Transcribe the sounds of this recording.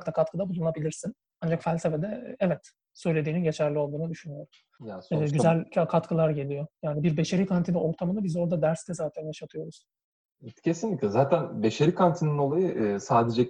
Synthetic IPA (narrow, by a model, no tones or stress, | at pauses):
kt̪akʰat̪kɯd̪abulˠunˠabilʲiɾsin | and͡ʒakfælʲse̞fed̪ɛɛvɛt̪ | sø̞jlʲe̞d̪iːninɟet͡ʃʰæɾlʲio̞lˠd̪uːnud̪yʃynyjo̞ɾum | jasɛɟyzælʲʰakʰat̪kʰɯlˠaɾɟe̞lʲijo̞jaːnibiɾbeʃe̞ɾiːkʰant̪ʰinɛʔo̞ɾt̪ʰamɯnabizo̞ɾd̪ad̪æɾst̪ɛzaːt̪ʰænjaʃat̪ʰɯjo̞ɾuz̥ | ɛcʰe̞sinlʲiclʲɛzaːt̪ʰænbe̞ʃeɾikʰant̪ʰinino̞lˠajɯʔsaːd̪ed͡ʒɛ